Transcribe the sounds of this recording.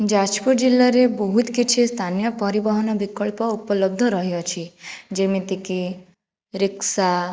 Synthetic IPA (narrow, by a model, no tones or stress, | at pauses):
d͡ʒad͡ʒpuɾd͡ʒilːaɾebɔɦut̪kit͡ʃʰist̪ʰanijɔpɔɾibɔɦɔnɔbikɔɭpɔupɔlɔb̚d̪ʱɔɾɔɦijɔt͡ʃʰid͡ʒemit̪iki | ɾiksa